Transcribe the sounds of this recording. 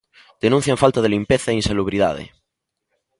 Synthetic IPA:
d̪̥enũn̟θjaɱfalt̪aðelimpeθaeinsaluβ̞ɾiða̰ðḛ

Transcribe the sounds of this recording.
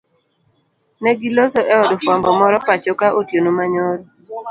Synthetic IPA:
nɛɡilosoʔɛɔdɔfwambɔmɔɾɔpat͡ʃokaʔotjonomaɲoɾo

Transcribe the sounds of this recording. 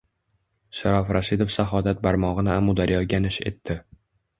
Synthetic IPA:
ʃaɾɒfɾʔaʃɪd̪ofsaɦɒd̪at̪̚baɾmɒʁɨnɪamud̪aɾjɒɡʲanɪʃe̞̰t̪ʰːɪ

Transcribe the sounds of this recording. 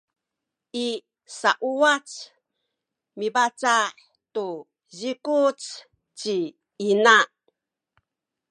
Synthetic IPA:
ʔi | saʔuat͡s | mibat͡saħ | tu | zikut͡s | t͡ɕi | ina

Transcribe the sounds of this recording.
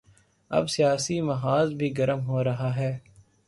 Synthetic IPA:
ɐ̰bsijaːsimɐɦaːzbʱiɡɐɾəmɦoːɾɐɦaːɦɛː

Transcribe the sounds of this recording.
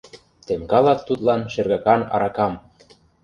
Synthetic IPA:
t̪emkɑlɑt̪ːut̪lɑnʃerɣɑkɑnɑ̰ɾɑkɑm

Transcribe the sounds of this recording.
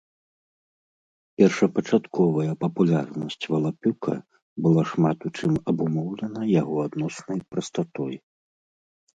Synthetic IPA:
pʲɛrʂɐpɐt͡ʂat̪kʰɔvɐjɐpɐpulʲarnɐsʲt͡sʲvɐlˠapʲukɐ̰ | bɨlˠaʂmat̪ut͡ʂɨmɐbumɔwlʲɛnɐjaɣɔad̪nɔsnɐjpɾɐst̪at̪ɔj

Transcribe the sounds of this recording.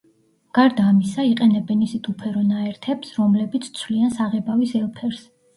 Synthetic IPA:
ɡ̥aɾd̪aːmisaiqʼɛnɛbɛnisit̪ʼupʰɛɾɔnaɛɾt̪ʰɛpsɾɔmlɛbit̪sʰt̪sʰwliansaʁɛbavisɛlˠpʰɛɾs

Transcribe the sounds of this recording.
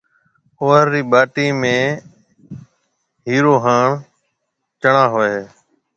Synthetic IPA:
oːəɾːiːɓaːʈiːmẽː | ɦiːɾoːɦaːɳ | t͡ʃəɳãːɦoːeeː

